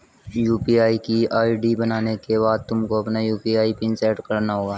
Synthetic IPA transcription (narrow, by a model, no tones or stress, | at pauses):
juːpiaːikiaːiɖibənaːnekebaːd̪̚t̪ʊmkoɐpnajuːpiaːipɪ̃nsɛːʈkɐɾnaɦoːɡaː